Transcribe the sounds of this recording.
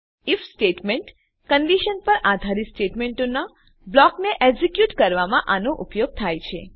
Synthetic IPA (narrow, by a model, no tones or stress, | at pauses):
ifsʈeʈmeɳʈ | kəɳɖiʃənpəɾad̪ʱaɾisʈeʈmeɳʈona | blɔkneʔɛɡzikjuʈkəɾʋamãʔanoʔupjoɡ̚t̪ʰajt͡ʃʰe